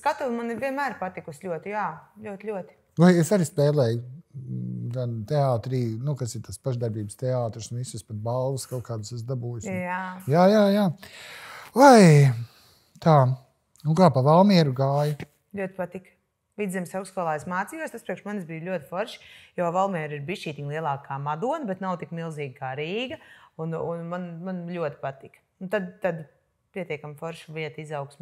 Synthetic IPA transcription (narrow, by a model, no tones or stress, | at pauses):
skat̪uvmaniɾvʲiɛnmæːɾpat̪ikuslʲuɔt̪ɪjaːlʲuɔt̪ɪlʲuɔt̪i̥ | vajesaɾispɛːlˠɛːj | ɡ̪ant̪ɛaːt̪ɾiːnukasɪɾt̪aspaʒd̪aɾbiːbəst̪ɛaːt̪ɾsnuvisuspat̪̚balˠvuskalt̪kaːd̪usɛs̬d̪abuːjusʲajaːjaːjaː | aj | t̪aː | nukaːpavalˠmiɛɾuɡaːj | lʲuɔt̪ʲpat̪ik | vid̪zɛmʲsawkskɔlˠaːjsmaːt̪sijuɔst̪aspɾiɛkʃmanszbijlʲuɔt̪ʲfɔɾʃjɔːvalˠmɛːɾiɾbiʃiːt̪ʲiɲlˠiɛlˠaːkaːmad̪uɔnɐbɛt̪nawt̪ikmilˠziːɡ̚kaːɾiːɡɐununmanmanlʲuɔt̪i̥pat̪ik | nut̪ad̪t̪ːad̪ | piɛt̪iɛkamfɔɾʃuviɛt̪izawksm